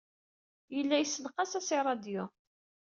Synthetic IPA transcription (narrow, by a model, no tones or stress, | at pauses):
jəlːæjsːəlqɑsæsiɾˤɑd̪jo